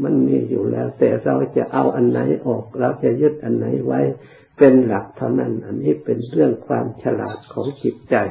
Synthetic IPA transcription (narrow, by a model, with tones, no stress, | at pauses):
ma˧˥˨nmiː˧˥˩juː˨˩lɛː˧˥wt̪ɛː˨˩sa˧˨wt͡ɕa˨˧˦ʔa˧˩wʔa˨nːa˨˧˦jʔɔː˨˩k̚ɾa˧wt͡ɕa˧jɯ˧˥˩t̪̚ʔa˨nːa˨˦jwa˧˥j | pe˧nla˨˩k̚t̪ʰa˧˩wna˧˥˨nʔa˨˩nːiː˥˨pe˨nɾɯ˥˩əŋkʰwaː˧mt͡ɕʰa˧la̰ː˨˩t̪̚kʰɔː˨˦ŋt͡ɕi˨˧˦t̪̚t͡ɕa˨˧˩j